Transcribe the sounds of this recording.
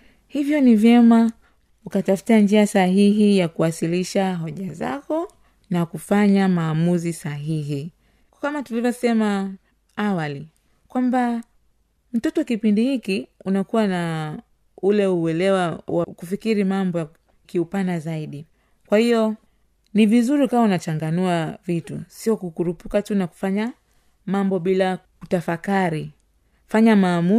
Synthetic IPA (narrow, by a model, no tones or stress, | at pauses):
hivjɔnivjɛma | ukatafu̥tand͡ʒiasahiɦijakuwasiliʃaɦɔʄaza̰kɔ | nakufaɲamaːmuzisaɦiɦi | kamatulivjɔsɛma | awali | kwamba | m̩tɔtɔakipindihikiunakuwana | ulɛuɛlɛwawakufikiɾimambɔja | kiupanazaiɗi | kwahiɔ | nivizuɾikawaunat͡ʃaŋɡanuavitṵsiɔkukuɾupu̥katunaku̥faɲa | mambɔɓila | kutafakaɾi | faɲamaːmu